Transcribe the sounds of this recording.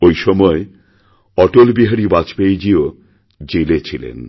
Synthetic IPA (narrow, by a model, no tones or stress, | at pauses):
ojʃɔmɔe | ɔʈolbiɦaɾibat͡ɕpejd͡ʑio | d͡ʑelet͡ɕʰilḛn